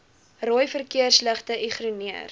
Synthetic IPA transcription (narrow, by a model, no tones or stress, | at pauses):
rojfərkiərslæχtəʔiχruniər